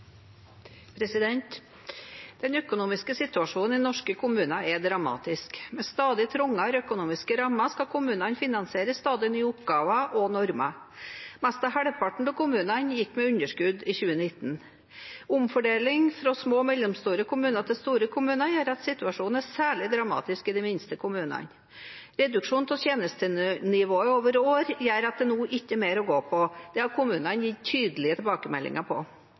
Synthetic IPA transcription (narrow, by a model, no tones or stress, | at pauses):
pʰɾɛsɪd̪ɛnt̪ | d̪̥ɛnœkʊnuːmɪskəsɪt̪ʉɑʂuːnn̩ɪnɔʂkəkʰʊmʉːnɑʔɛd̪ɾɑmɑ̰ːt̪ɪskmɛst̪ɑːd̪ɪt̪ʰɾʊŋːɑɾœkʊnuːmɪskəɾɑmːɑskɑkʰʊmʉːnɑnfɪnɑnsɪeːɾəsst̪ɑːd̪ɪnyːʊp̚ɡɑːʋɑʔɔnɔɾmɑ̰ | mɛst̪ɑhæɽpʰɑʈɳ̩t̪ɔkʊmʉːnɑnjɪkːmɛʉɲəʂkʉd̪iːçʉːənɪt̪n | ʊmfɔɖeːlɪŋfɾɔsmoːmɛlːɛmst̪uːɾəkʰʊmʉːnət̪ʰɪlst̪uːɾəkʰʊmʉːnəjæːɾɑt̪sɪt̪ʉɑʂuːnn̩æsæːɭɪd̪ɾɑmɑ̰ːt̪ɪskɪd̪ɪmɪnst̪əkʰʊmʉːnɑ̰n | ɾɛd̪ʉkʂuːnt̪ʰɔt̪jeːnəst̪ənɪʋoːəoːʋəɾoːɾjæːɾɑt̪̚d̪ɛnuːʔɪçːəmeːɾɔɡoːpʰɔd̪̥ɛhɑɾkʰʊmʉːnənjiːt̪ʰyːd̪əlɪət̪ʰɛbɑːkəmɛ̰lːɪ̰ŋəpʰɔ̰